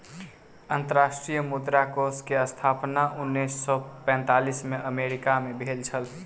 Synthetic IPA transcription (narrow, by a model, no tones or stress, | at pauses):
ənt̪əɾasʈɾijəmud̪ɾakoskeəst̪ʰapnaʔunːisːɔpɛ̃nt̪alismeʔəmeɾikamebʱelt͡ʃʰəl